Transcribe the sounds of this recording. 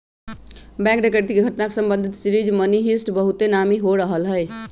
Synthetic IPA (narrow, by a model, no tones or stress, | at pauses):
bɛ̃ŋkɖekəɾt̪ikeɡʱəʈnakesəmbənd̪ʱit̪sɾid͡ʒməniɦisʈbəɦut̪enamiɦoɾəɦəlɦəj